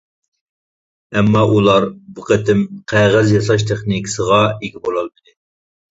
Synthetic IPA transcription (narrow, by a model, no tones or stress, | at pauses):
ɛmːɑʔulˠɑɾbuqʰət̪ʰɪmqʰæʁɨzjɑsɑʃ̬t̪ʰeχnikʰʲi̥səʁɑeɡʲibolˠɑlˠbɪd̪ɪ